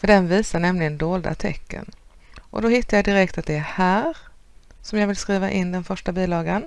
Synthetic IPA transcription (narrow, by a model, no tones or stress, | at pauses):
fœɖɛnviːsaɳɛmlɪɡənd̪oːld̪a̰t̪ʰɛ̰kːə̰n | ʔɔ̰d̪ɔhɪt̪ːajɑd̪ɪɾɛkt̪at̪̚d̪ɛæhæːɾ | sɔmjɑːvɪlskɾiːvaʔɪnːd̪ɛnfœʂʈabiːlɑːɡən